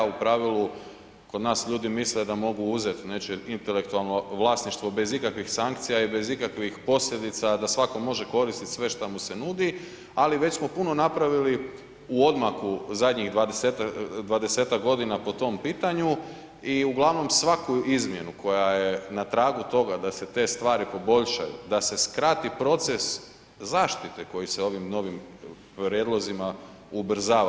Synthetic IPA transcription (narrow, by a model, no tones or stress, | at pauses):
upɾaʋilu | ko̞d̪naːsʎuːd̪imisled̪amo̞ɡuuze̞t̪net͡ʃeint̪e̞le̞k̚t̪ualˠno̞ʋlˠaːsniʃt̪ʋo̞be̞zikakʋixsaŋkt̪sijaibe̞zikakʋixpo̞sʎʲe̞d̪it̪sad̪asʋako̞mo̞ʒe̞ko̞ɾist̪it̪sʋe̞ʃt̪amuse̞nuːd̪i | aliʋe̞t͡ɕsmo̞puno̞napɾaʋili | uo̞d̪makuzad̪ɲiɣd̪ʋad̪eset̪ad̪ʋad̪ese̞ːt̪akɡo̞d̪inapo̞t̪o̞mpiːt̪aɲu | iuɡlˠaʋno̞msʋakuizmje̞nukʰo̞jajenat̪ɾaːɡut̪o̞ɡad̪ase̞t̪e̞ːst̪ʋaːɾipo̞bo̞ʎʃa̰jṵd̪ase̞skɾat̪ipɾo̞t̪se̞s | zaːʃt̪it̪eko̞jiseo̞ʋimno̞ʋimpɾjeːd̪lˠo̞zima | ubr̩zaː